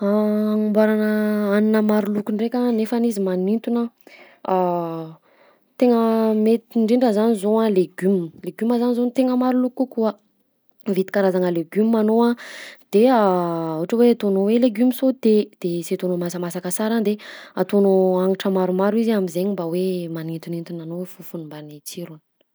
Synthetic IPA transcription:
aŋumbaɾanəaninəmaɾulukunrekʲanefanizimanint̪una | a | t̪eŋəmet̪iɳɖ͡ʐiɳɖ͡ʐəzanizoaleɡymleɡymazanizont̪eŋəmaɾulukukuə | vit̪i̥kaɾazaŋəleɡymːanoad̪̥eaauʈ͡ʂəweat̪onoweleɡymisod̪̥ed̪̥eset̪onomasəmasakəsaɾand̪eat̪onoaŋaʈ͡ʂəmaɾumaɾuizamizeɲimbawemanint̪unint̪unanowfufunumbanit͡siɾun̥

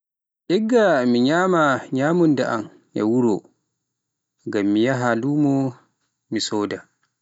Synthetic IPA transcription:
ʔɛɡːamiɲaːmaɲaːmundɛʔa̰n | ɛ̰wuɾo̰ | ɡamːijaɦaluːmɔ | misɔːda

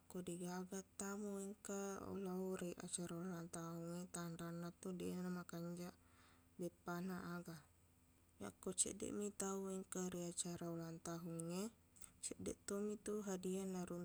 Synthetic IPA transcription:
kodiɡaɡat̪ːamuiŋkao̰lauɾiʔa̰t͡ʃaɾaulant̪aɦuŋet̪anɾanːat̪udɛnamakaɲd͡ʒaʔ | bɛpːanaʔːɡa | ja̰kːot͡ʃɛ̰dɛ̰ʔmit̪auiŋkaɾiat͡ʃaɾaulant̪aɦuŋːe | t͡ʃɛʔdɛʔt̪omit̪uɦadianaɾu

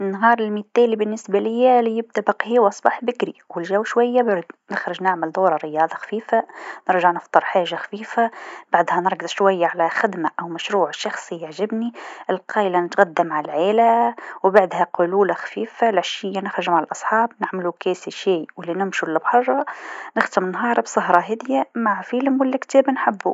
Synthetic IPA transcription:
nɦɑːɾˤɪlmit̪ːæːlibɪnːɪsbalɪjːælijɪb̚d̪abɪqhiːwʔɑsˤbɑħbɪkɾiwɪlʒæwʃwæjːabad̪nɪxɾɪʒnɪʕmɪld̪ˤuːɾˤɑɾɪjɑːd̪ˤɑxḁfiːfanɨɾʒaʕnɨft̪ˤɨɾˤħaːʒaxḁfiːfab̥aʕd̪hænɨɾˤɡɨzˤʃwajːaʕalæxɪd̪maʔæwmæʃɾuːʕʃɑxsˤijaʕʒɪbniʔɪlqʰɑːlanɪt̪ɣad̪ːamaʕaalʕeːlawbaʕd̪haqʊluːlaxḁfiːfalʕaʃɪjːanɪxɾɪʒmaʕalʔɑsˤħɑːbnɪʕmɪlukeːsiʃiːwɪlːinɪmʃulːɪbħɑʒˤɑnɪxt̪ɪmɪnɦɑːɾˤbsˤɑɦɾˤɑɦɪːd̪jamaʕfɪlmwɪlːikt̪æːbnħɪbːṵ

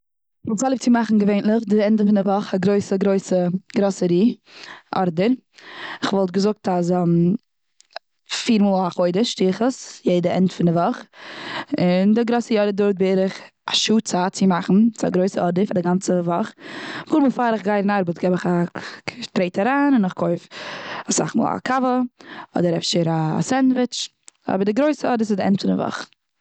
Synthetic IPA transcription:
ɔlzalˠɪp̚t͡sɪmaχn̩ɡəveɪnlˠɪχdɪɛndəfɪnɪvɔχaɡɾoɪsəɡɾoɪsəɡɾɔsəɾiːʔɔ̰ɾdəɾ | ɪχvɔlˠt̚ɡəzʊk̚tazm | fiːɾmuːlˠhaχoɪdəʃtiːχəsjeɪdəɛ̰ntfɪndɪvɔχ | ɪndɪɡɾɔsəjɔɾədʊɾt̚bɪɾɪχ | aʃuːt͡saːt͡sɪmaχn̩t͡sɪa̰ɡɾoɪsəɔdɪfadɪɡant͡səvɔχvuːɾmuːfaːɾɪχɡaɪɾɪnaɾbətɡɛbɪχa | tɾeɪtaɾaːnɪnɪχkʰoɪfasa̰χmṵːlˠa̰kʰavəɔ̰dəɾɛfʃəɾasɛndvɪt͡ʃ | ɔ̰bəɾdɪɡɾoɪsəɔdɪsɪzdɪɛ̰ntfɪndɪ̰vɔ̰χ

